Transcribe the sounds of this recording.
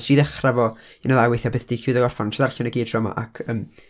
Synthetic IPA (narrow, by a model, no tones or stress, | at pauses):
d̥iːðɛχravɔ | inəðˠajwejθabɪθd̥iːkʰuːðəɡɔrfantʰəðarɬʊnəɡiːdrɔma̰ʔa̰kʰəːm